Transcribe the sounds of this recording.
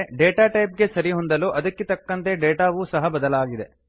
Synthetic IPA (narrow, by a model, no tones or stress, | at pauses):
ɖeːʈaːʈɐjp̚ɡe̞sɐɾiɦond̪ɐluːʔɐd̪ɐkːet̪ɐkːɐnt̪e̞ɖeːʈaːʋusɐɦɐbɐd̪ɐlaːɡid̪e̞